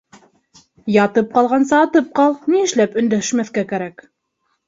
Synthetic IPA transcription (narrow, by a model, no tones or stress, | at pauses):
jɑt̪ɤp̚qɑlˠʁɑnsɑːt̪ɤp̚qɑlˠniɘ̆ʃlæpɵ̆nd̪æʃmæθkækæɾæk